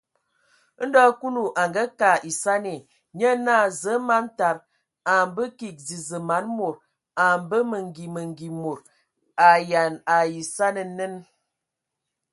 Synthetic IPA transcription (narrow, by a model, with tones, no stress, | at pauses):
n̩˦dɔ˦ku˦lu˨ʔa˨ŋɡə˦ka˨ʔi˨sa˦ne˨ | ɲə˦na˦˨zə˨˦ma˨˦n˦ta˨ɾ | a˨mbə˦ki˨k̚zi˨zə˨ma˨˦nmo˨ɾ | a˨m˨bə˦mə˨ŋ˨ɡi˨mə˨ŋɡi˨mo˨ɾ | a˨ja˨na˨ji˨sa˦nə˨˦nə˦n